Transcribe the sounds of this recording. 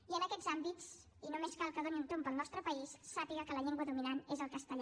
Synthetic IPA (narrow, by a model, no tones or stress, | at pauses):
iənəkɛzambit͡s | inomeskalˠkəðoniunt̪ompəlˠnɔst̪ɾəpəisːapiɣəkələʎeŋɡwəðuminanezəlˠkəst̪əʎ